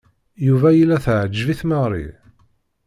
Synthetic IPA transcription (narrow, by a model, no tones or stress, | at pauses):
juvæjilːæθʕəd͡ʒːviθməʁɾˤḭ